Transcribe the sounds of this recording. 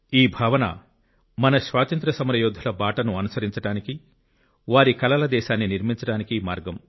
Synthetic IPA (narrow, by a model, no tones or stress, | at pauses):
iːbʱaːʋɐnɐ̰ | mɐnɐʃʋaːt̪ɐnt̪ɾɐsɐmɾɐjɔːd̪ʱɐlɐbaːʈɐnuɐnusɐɾiɲt͡ʃɐɽaːniki | ʋaːɾikɐlɐlɐd̪ɛːʃaːnːiniɾmiɲt͡ʃɐɽaːnikimaːɾɡɐm